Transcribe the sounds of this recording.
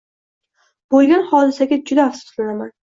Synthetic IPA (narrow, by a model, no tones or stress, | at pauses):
b̥olˠɡʲanhɒd̪ɪsaɡʲad͡ʒʊd̪aasɪ̥t̪lɪnaman